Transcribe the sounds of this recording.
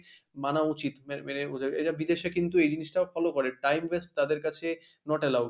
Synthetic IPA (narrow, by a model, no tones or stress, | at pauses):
manaut͡ɕit̪mɛmɛneud͡ʑaḛjnabid̪eʃekint̪uejd͡ʑiniʃʈafɔlokoɾeʈajmvesʈ̚t̪ad̪eɾkat͡ɕʰe | nɔʈelau